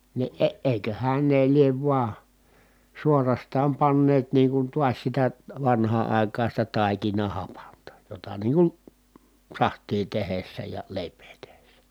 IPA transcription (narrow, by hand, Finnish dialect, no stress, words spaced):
ni ʔe eˑikøhæn ne lieʋ ʋuɑ suorɑstɑːm pɑnːeːt niːŋ kun tuɑs sitæ ʋɑnhɑː ɑˑi̯kɑːn̞ sitæ tɑˑikinɑhɑpɑntɑ jotɑ niːŋ kun sɑhtˑiː tehesːæ jɑ leˑipˑeː tehesːæ